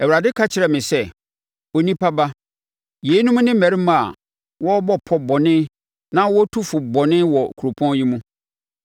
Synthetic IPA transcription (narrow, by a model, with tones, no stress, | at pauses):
ɛ˨wɾa˨dɪ˦kʰa˦t͡ɕʰɪ˨ɾɛ˨mɪ̃˨sɛ˦ | o˦nĩ˦pʰa˦ba˦ | je˨˦nũ˦m˦nɪ̃˦mæ̃˨ɾi˦mã˨a̰˨ | wɔ˦bɔ˦pʰɔ˦bɔ˨nɪ̃˦ | nã˦wɔ˦tʰu˦fʊ˨bɔ˨nɪ̃˦wɔ˨kʰu˨ɾo˨pʰɔ̃˦ji˦mũ˦